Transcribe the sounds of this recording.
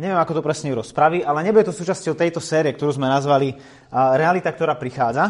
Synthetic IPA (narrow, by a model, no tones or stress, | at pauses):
ɲɛʋɪɛmakɔt̪ɔpɾɛsɲɛjuɾɔspɾaʋiʔalɛɲɛbujɛt̪ɔsuːt͡ʃascɔʊt̪ɛjt̪ɔsɛːɾiɛkt̪ɔɾuːzmɛnazʋali | ɾɛalit̪ak̚t̪ɔɾaːpɾixaːd͡za